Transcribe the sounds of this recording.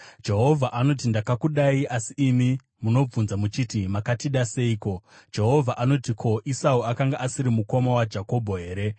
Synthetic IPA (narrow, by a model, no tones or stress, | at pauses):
d͡ʒe̞ɦo̞vʱaʔano̞t̬indakakuɗaiasiːmi | muno̞b͡vunzamut͡ʃitimakatiɗase̞iːko̞d͡ʒe̞ɦo̞vʱaʔano̞tikʰo̞ʔisauakaŋɡaʔasiɾimuko̞mawad͡ʒako̞bʱo̞ɦe̞ːɾe̞